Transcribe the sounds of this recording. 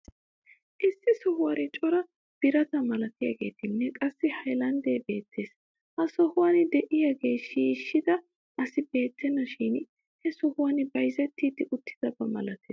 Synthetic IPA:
ʔɪsːɪsɔhʊwɐɾɪt͡ʃʼɔɾɐ | b̥ɪɾɐt̪ɐmɐlɐt̪ɪjɐ̰ɡe̞̰ːt̪ɪnːɛkʼɐsːɪhɐjlɐnd̪eːbe̞ːt̪ːe̞ːs | hɐsɔhʊwɐnɪd̪ɛʔɪjɐɡe̞ːʃiːʃːɪd̪ɐ | ʔɐsɪbe̞ːt̪ʰːɛnːɐʃiːn | hɛsɔhʊwɐnɪbɐjzɛt̪ːiːd̪ɪʔʊt̪ʰːɪ̥d̪̥ɐbɐmɐ̰lɐt̪eːs

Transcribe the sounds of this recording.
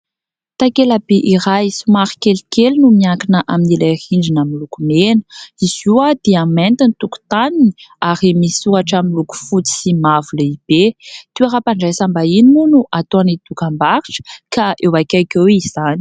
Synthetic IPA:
t̪akelabeʔiɾajsumaɾi̥kelikelnumiakinəʔaminilahiɳɖ͡ʐinamilukumenəiz̥uad̪̥eament̪init̪uku̥t̪aniniaɾimisuaʈ͡ʂamiluku̥fut͡si̥simavuləib̥et̪iaɾapaɳɖ͡ʐajsambaininunuʔat̪oanid̪̥ukambaɾiʈ͡ʂə̥kaʔewakajkʲewiz̥ani̥

